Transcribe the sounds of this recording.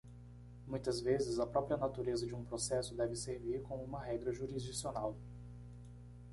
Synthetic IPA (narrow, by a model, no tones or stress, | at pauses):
mũj̃t̪ɐzvezɪzɐpɾɔpɾiɐnat̪uɾezɐd͡ʒɪũpɾosɛsʊd̪ɛvɪseɾviɾkõmʊũmɐɦɛɡɾɐʒuɾizd͡ʒisionaw